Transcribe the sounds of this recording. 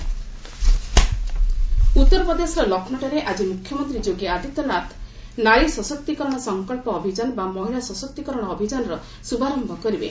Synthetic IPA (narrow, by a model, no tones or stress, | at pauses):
ut̪ːɔɾɔpɾɔd̪esɔɾɔlɔkʰnɔʈɔɾeʔad͡ʒimukʰjɔmɔnt̪ɾid͡ʒoɡiad̪ʱit̪ɔnat̪ʰ | naɾisɔsɔk̚t̪ikɔɾɔɽ̃ɔsɔŋkɔɭpɔːbʱid͡ʒanɔbamɔɦiɭasɔsɔk̚t̪ikɔɾɔɽ̃ɔːbʱid͡ʒanɔɾɔ | subʱaɾɔmbʱɔkɔɾibḛ